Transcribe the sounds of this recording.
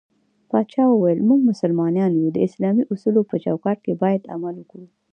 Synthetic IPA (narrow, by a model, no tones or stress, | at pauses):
pɑt͡ʃɑwəwajəlmuɡmʊsʊlmɑnɑnjud̪əɪslɑmiʔusulopət͡ʃawkɑʈ̚kebɑjad̪a̰maluku